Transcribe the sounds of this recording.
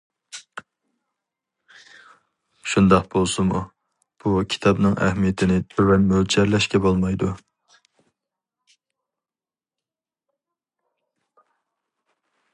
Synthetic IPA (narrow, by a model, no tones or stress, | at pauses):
ʃund̪ɑqbolˠsumu | b̥ukʲʰi̥t̪ʰɑbnɨŋʔɛ̰hmijet̪ʰɪnɪt̪ʰøwɛnmøld͡ʒɛɾlɛʃkʲɛbolˠmɑjd̪u